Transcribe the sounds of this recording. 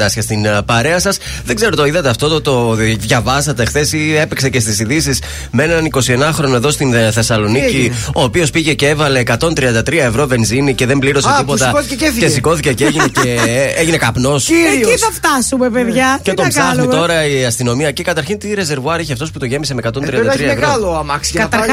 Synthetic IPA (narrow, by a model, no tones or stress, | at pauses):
ɐsçest̪inpɐɾe̞ɐsɐs | ðe̞ɡze̞ɾo̞t̪o̞iðɐt̪eɐft̪o̞t̪ot̪o̞ðʝɐvɐsɐt̪exθe̞sie̞pekse̞ce̞st̪isiðisis | mee̞nɐniko̞sie̞nɐxɾo̞noeðo̞st̪inθe̞sɐlo̞nicio̞ːpio̞spiʝe̞ceevɐle̞ːkɐt̪o̞nt̪ɾiɐnd̪ɐt̪ɾiɐe̞vɾo̞ve̞nzinice̞ðe̞mbliɾo̞set̪ipot̪ɐoeceθcesiko̞θiceceeʝineceeʝine̞kɐpno̞siɐft̪ɐsumepeðʝɐet̪oɐɐit̪o̞ɾɐiɐst̪ino̞miɐecikɐt̪ɐɾçint̪iɾe̞ze̞ɾvuɐɾiçiɐft̪o̞sput̪o̞ʝe̞misemekɐt̪onɾiɐnɐɾiɐevoɐloɐmɐksi̥ɐɐt̪ɐ